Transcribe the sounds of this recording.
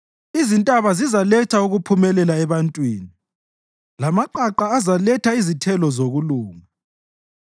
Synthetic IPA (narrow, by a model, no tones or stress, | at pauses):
izintʼaβazizalɛt͡ʃʰauɣupʰumɛlɛlaɛβantʼwḭːni | lamaǃaǃaːzalɛtʰaizitʰɛlɔzoɣuluːŋa